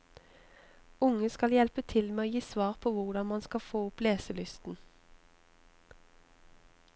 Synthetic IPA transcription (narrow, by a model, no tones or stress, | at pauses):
ʊŋəskɑljɛlpət̪ʰɪlmeːoːjiːsʋɑːʁpʰoːʋʊʁd̪ɑnmɑnskɑfoːʊpleːsəlʏst̪n̩